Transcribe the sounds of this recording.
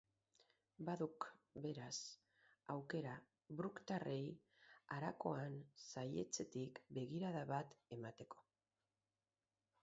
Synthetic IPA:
baðukbe̞ɾas | awke̞ɾa | βɾukt̪arʔe̞j | aɾako̞ansaje̞̰t͡se̞t̪ikbe̞ɣiɾaðaβat̪e̞mat̪e̞ko̞̥

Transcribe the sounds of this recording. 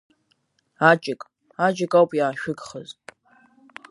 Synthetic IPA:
at͡ʃʼɪkʼ | at͡ʃʼɪkʼawpʼjaːʃᶣʊɡχəzʼ

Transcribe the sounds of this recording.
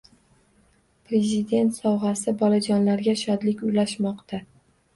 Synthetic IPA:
pɾe̞zɪd̪e̞nt̪sɒwʁasɪbɒlad͡ʒɒnlaɾɡʲaʃɒd̪lɪkʲʊjlaʃmɒqt̪ʰa

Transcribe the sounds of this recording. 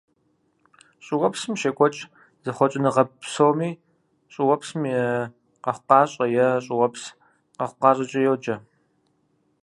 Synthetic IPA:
ɕʼɪʁɔpsɨmʃeːkʷʼɔt͡ʃʼ | z̥ɨχʷɔt͡ʃʼɪnɨʁɐpsoːwmiː | ɕʼɪwɔpsmjɛ | qɐχʷʊqɑːɕʼɐjɛɕʼɪʁɔps | qɐχʷʊqɑːrɐt͡ʃʼɐjɛwd͡ʒɐ

